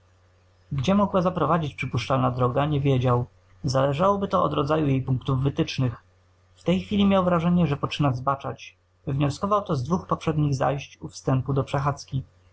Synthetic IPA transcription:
ɡd͡ʑɛmɔɡwazapɾɔvad͡ʑit͡ɕpʂɘpuʂt͡ʂalnad̪ɾɔɡaɲɛvʲjed͡ʑaw | zalɛʐawɔbɘt̪ɔʔɔ̰d̪ɾɔd̪zajujejpuŋkt̪uvːɘt̪ɘt͡ʂnɘx | ft̪ɛjxfʲilʲimʲjawvɾaʐɛɲɛʐɛpɔt͡ʂɘnazbat͡ʂat͡ɕ | vɲɔskɔvawt̪ɔzd̪vuxpɔpʂɛd̪ɲiɣza̰jɕt͡ɕufst̪ɛmpud̪ɔpʂɛxat̪skʲi

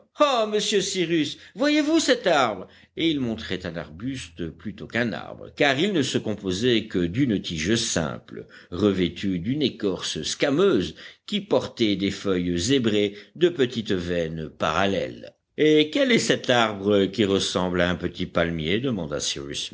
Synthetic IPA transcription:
oməsjøsiʁysvwajevusɛt̪aʁbʁ | eilmɔ̃t̪χɛt̪ɛ̃na̰ʁbyst̪plyt̪okɛ̃na̰ʁbʁə̰kaʁilnəsəkɔ̃pozɛkəd̪ynt̪iʒəsɛ̰̃pləʁəvet̪ʰyd̪ynekɔʁsəskamøːzkʲipɔʁt̪ɛd̪efœjzebʁed̪əpət̪it̪vɛnpa̰ʁalɛ̰l | ekʲɛlɛsɛt̪aʁbʁəkʲiʁəsɑ̃blaɛ̃pət̪ipalmjed̪əmɑ̃d̪a̰sḭʁy̰s

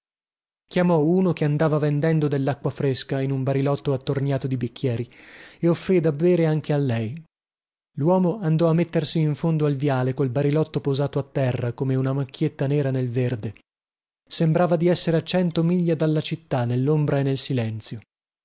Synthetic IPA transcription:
kjamɔuːnokeand̪aːvavend̪ɛnd̪od̪elːakːwafɾeskainumbaɾilɔt̪ːoat̪ːornjaːt̪od̪ibikʰːjɛːɾieofːɾid̪abːɛːɾeaŋk̟ealːɛj | lwɔːmoand̪ɔamːet̪ːersiːɱfond̪oalvjaːlekolbaɾilɔt̪ːopozaːt̪oat̪ːɛrːakomeunamakʰːjet̪ːanɛːɾanelverd̪e | sembɾaːvad̪iɛsːeɾeat͡ʃɛnt̪omiʎːad̪alːat͡ʃit̪ːanelːombɾaenːelsilɛnt̪sjo

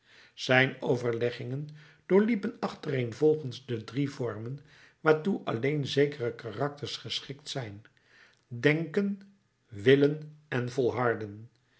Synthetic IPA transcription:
z̥ɛjnowvəɹlɛχɪŋən | d̥ʊːɹlipənɑχtərejnvɔlˠχənzdədrivɔɹmən | ʋaːɹtuʔɑ̰lejnzejkərəkarɑk̚təɹsχəsχɪktsɛjn | dɛŋkən | ʋɪlənɛnvɔlˠɦɑɹdən

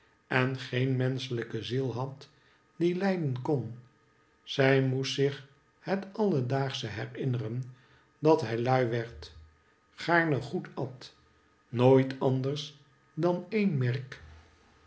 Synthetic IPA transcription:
ɛnχejnmɛnsələkəzilˠɦɑt | d̥ilɛjdənkon | z̥ɛjmutsɪχ | hətɑlˠədaːχsəɦɛrɪnərən | dɑtɦɛjlœɥʋɛɹt | χaːɹnəχutɑt | noːjtɑndəɹs | dɑnejnmɛrk

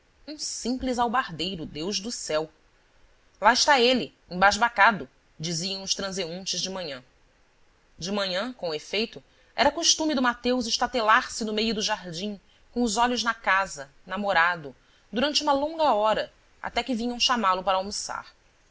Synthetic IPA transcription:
ũsĩplizawbaɾd̪ejɾʊd̪ewʒd̪ʊsɛw | laɪʃt̪aelɪ | ẽbaʒbakad̪ʊ | d͡ʒiziɐ̃w̃ʊʃt̪ɾɐ̃zeũnt͡ʃɪzd͡ʒɪmɐ̃ɲɐ̃ | d͡ʒɪmɐ̃ɲɐ̃kõefejt̪ʊ | ɛɾɐkuʃt̪ũmɪd̪ʊmat̪ewzɪʃt̪at̪elaɾsɪnʊmejʊd̪ʊʒaɾd͡ʒĩ | kõʊzɔʎʊznɐkazɐ | namoɾad̪ʊ | d̪uɾɐ̃nt͡ʃɪũmɐlõŋɡɐɔɾɐ | a̰t̪ɛkɪvĩɲɐ̃w̃ʃamalʊpaɾɐawmusa̰ɾ

